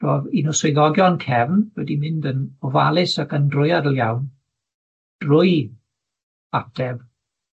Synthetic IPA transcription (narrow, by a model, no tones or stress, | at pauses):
rɔːðinʊsoɨðɔɡjɔnkʰɛvnwɛdimɪndənɔvalˠɪsakəndrʊjadəlˠjawn | d̥rʊɨ | atʰɛv